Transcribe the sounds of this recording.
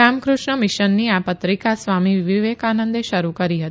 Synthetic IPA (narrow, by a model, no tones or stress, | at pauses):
amkɾuʂɳəmɪʃənːiapət̪ɾikasʋamiʋiʋiʋekanənd̪eʃəɾukəɾiɦət̪